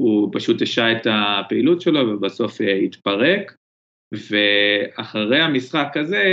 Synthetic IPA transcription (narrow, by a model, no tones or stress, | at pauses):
upaʃut̪eʃaet̪apeilutʃe̞lo̞vebaso̞feit̪paʁe̞k | veaχaʁejamisχakaze̞